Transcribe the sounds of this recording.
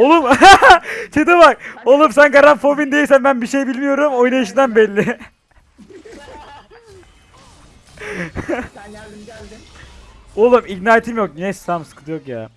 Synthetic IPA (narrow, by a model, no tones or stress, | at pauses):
olˠum | t͡ʃʰed̪ɯvakolˠumsænɡaɾanfobind̪e̞jilʲsænbænbiʃejbilʲmijo̞ɾumo̞jnaɯʃɯnanbɛlʲːɪ | olˠumiknaːjet̪ʰimjok̚nesːamsɯ̥kʰɯt̪ɯjokja̰ː